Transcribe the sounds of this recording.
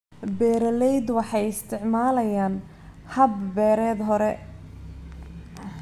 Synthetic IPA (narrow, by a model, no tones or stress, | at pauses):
bɛːɾɐlɛjd̪wɑħɑjɪst̪ʰɪʕmaːlɐjaːn | hɐbbɛːɾɛːd̪ɦɔɾɛ